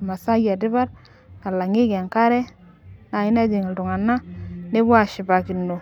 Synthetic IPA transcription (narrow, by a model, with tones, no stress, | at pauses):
ma˨sa˦ja˨dɪ˦βa˦ɾ | a˨la˨ŋɪ˦kɛ˨ŋka˦ɾɛ˦ | na˨ɪ˦na˦d͡ʒi˨ŋi˨ldu˨ŋa˨nːa˦ne˦bwa˦˨ʃɪ˨ba˨ki˨nːo˨